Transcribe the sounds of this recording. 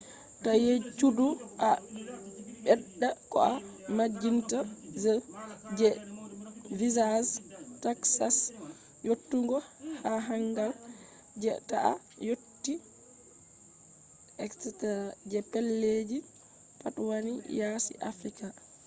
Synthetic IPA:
tajet͡ʃuduʔa | ɓɛɗːakɔ̰amad͡ʒːintazɛd͡ʒɛ | vizastaksas | jotːuŋɡɔhaɦaŋɡal | d͡ʒɛta̰ʔa̰ | jotːi | ʔɛksɛtad͡ʒɛpɛlːed͡ʒi | patwanijasḭʔafɾika

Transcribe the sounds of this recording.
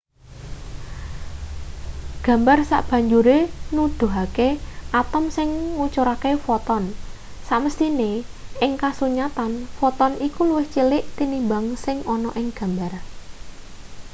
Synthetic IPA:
ɡ̥ä̤mbarsa̰ʔb̥ä̤ɲd͡ʒuɾenud̪̥o̤ɦakeʔat̪əmsɪŋŋut͡ʃuɾakefɔt̪ɔn | saʔməst̪ineɪŋkasuɲat̪anfɔt̪ɔnikuluwɪht͡ʃilɪʔt̪inimbaŋsɪŋɔnɔʔɪŋɡ̥ä̤mbar

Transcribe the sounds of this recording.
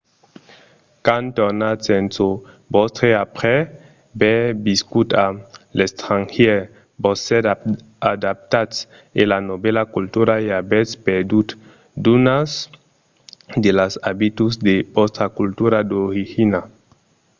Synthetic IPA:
kant̪ɔnasɛnso | bɔst̪ɾeapɾɛ | bɛbiskut̪alest̪ɾaŋhɛɾ | bɔsɛ | ad̪ap̚t̪ats | elanobɛlakult̪uɾaeabɛtspeɾd̪ut̪ | d̪unas | d̪elasabit̪usd̪ebɔst̪ɾakult̪uɾad̪oɾixina

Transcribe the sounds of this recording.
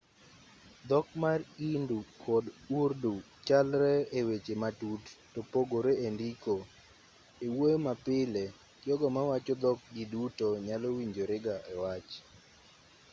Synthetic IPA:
d̪ɔk̚marindukʰɔdurdu | t͡ʃalɾɛewet͡ʃematutːopoɡoɾeendiko | ewojmapɪle | kjɔɡɔmawat͡ʃɔd̪ɔk̚ɡɪdutoɲalowiɲd͡ʒoɾɪɡaʔɛwat͡ʃ

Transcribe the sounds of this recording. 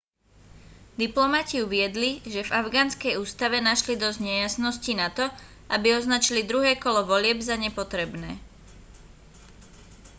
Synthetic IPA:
d̪iplɔmaciuʋɪɛd̪liʒɛvaʊɡaːnskɛjuːst̪aʋɛnaʃlid̪ɔzɟɲɛjasnɔscinat̪ɔ | ʔabiɔznat͡ʃilid̪ɾuɦɛːkɔlɔʋɔlɪɛbzaɲɛpɔt̪ɾɛbnɛː

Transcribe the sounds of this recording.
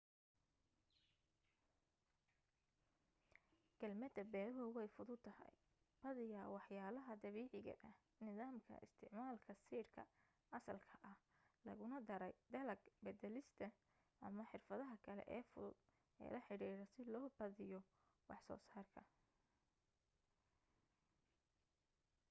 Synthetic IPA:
ɡ̥ɐlmɐd̪ɐbɛːɾɦʊwɛjfʊðʊd̪ʰɐhɐ̰j | b̥ɐðɪjawɑħjaːlɐɦɐd̪ɐβiːʕɪɣɐ̰ʔɐh | nɪðaːmkʰɐ̰ʔɪ̰st̪ʰɪʕmaːlkʰɐsiːrkʰɐ̰ | ʔɐsɐlkʰɐʔɐh | lɐ̰ɣʊnɐd̪ɐɾɛjd̪ɐlɐɡbɐd̪ɛlɪst̪ʰɐ | ʔɐmɐħɪrfɐðɐɦɐkʰɐlɛ̰ʔɛ̰ːfʊ̰ðʊ̰d̪̥ | ɛ̰ːlɐħɪɽiːɾɐsɪlɔːbɐðɪjɔ | wɑħsɔ̰ːsaːrkʰɐ

